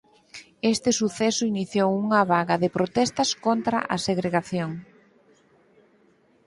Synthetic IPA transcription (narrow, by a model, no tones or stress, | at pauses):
est̪ɪsuθɛsʊiniθjowuŋɐβaɣɐðɪpɾot̪ɛst̪ɐskont̪ɾɐ̰ʔɐseɣɾeɣaθjoŋ